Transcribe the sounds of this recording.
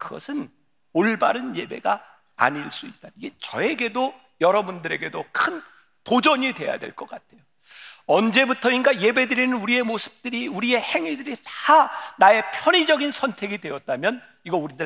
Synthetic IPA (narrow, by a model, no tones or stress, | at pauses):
kɯɡʌ̰sʰɯn | oɭbaɾɯnje̞be̞̰ɡa | a̰ɲiɭs͈uit̚t͈aiɡet͡ɕʌe̞ɡe̞do | jʌɾʌbundɯɾe̞ɡe̞dokʰɯn | tod͡ʑʌɲidwe̞̰ja̰dwe̞̰ɭk͈ʌk͈atʰe̞jo | ʌnd͡ʑe̞butʰʌinɡaje̞be̞dɯɾinɯnuɾie̞mosʰɯ̥p̚t͈ɯɾiuɾie̞he̞ŋidɯɾitanae̞pʰjʌɲid͡ʑʌɡinsʰʌntʰe̞ɡidwe̞jʌt̚t͈amjʌn | iɡʌuɾidɯ